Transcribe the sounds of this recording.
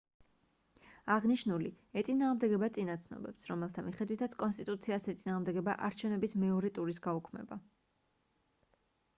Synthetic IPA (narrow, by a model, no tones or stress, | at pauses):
aʁniʃnuli | ɛt̪sʼinaːʁmd̪ɛɡɛbat̪sʼinat̪sʰnɔ̰bɛpsɾɔmɛlˠt̪ʰamiχɛd̪wit̪ʰat̪sʰkʼɔnst̪ʼit̪ʼut̪sʰiasɛt̪sʼinaːʁmd̪ɛɡɛba̰ʔaɾt͡ʃʰɛvnɛbismɛɔɾɛt̪ʼuɾisɡaukʰmɛ̰ba